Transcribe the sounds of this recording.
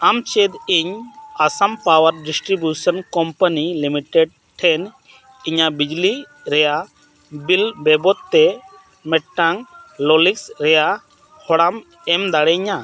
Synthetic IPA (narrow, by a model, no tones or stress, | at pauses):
amt͡ʃed̪iɲasampawəɾɖisʈɾibjusənkɔmpənilimiʈɛɖ̚ | ʈʰɛn | iɲabid͡ʒli | ɾɛja | bilbɛbɔt̪ːɛ | mɛʈʈaŋlɔliksɾɛja | hɔɽam | ɛmd̪aɽɛɲa